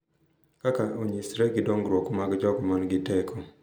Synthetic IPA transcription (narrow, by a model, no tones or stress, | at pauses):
kakaʔoɲisɾɛɡɪdoŋɡɾwokomaɡd͡ʒɔɡɔmanɡɪtɛkʰɔ